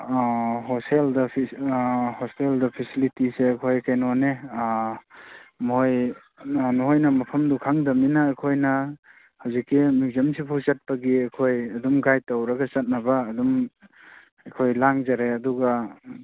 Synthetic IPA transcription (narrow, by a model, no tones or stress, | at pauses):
ɦɔsteldɐpʰ | hɔsteldɐpʰisilitiseɐkʰojkajnɔne | moj | nuɦojnɐmɐpʰɐmdukʰaŋdɐminɐːkʰojnɐ | hawzikːimizɐmsipʰuzat̚pɐɡiɐjkʰojɐdumɡajtawɾɐɡɐt͡ʃɐt̚nɐbaːdum | ɐkʰojlaŋzaɾeɐduɡɐ